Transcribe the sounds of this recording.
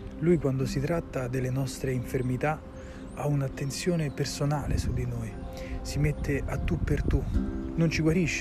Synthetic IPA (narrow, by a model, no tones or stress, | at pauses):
lujkwand̪osit̪ɾat̪ːad̪elːenɔst̪ɾeiɱfermit̪a | aunat̪ːentsjoːnepersonaːlesud̪inoːjsimet̪ːeʔat̪ːupːert̪unont͡ʃiɡwaɾiʃːe